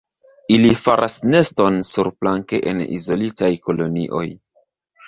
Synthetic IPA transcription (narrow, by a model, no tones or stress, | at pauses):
ilifaɾʔasne̞stonsuɾplaŋke̞ʔḛnḭzo̞litajko̞lo̞nḭʔo̞̰j